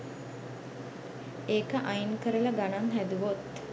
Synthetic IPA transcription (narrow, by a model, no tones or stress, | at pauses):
eːkəʔajnkəɾələɡanaŋɦæd̪uʋot̪